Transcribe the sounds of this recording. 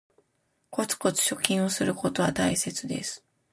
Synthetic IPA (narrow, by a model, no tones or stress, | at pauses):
ko̞t͡sɨ̥ko̞t͡sɨ̥ɕo̞kʲĩɰ̃osɨɾɯ̟ko̞t̪o̞βat̪aise̞t͡sɨd̪e̞̰sɨ̥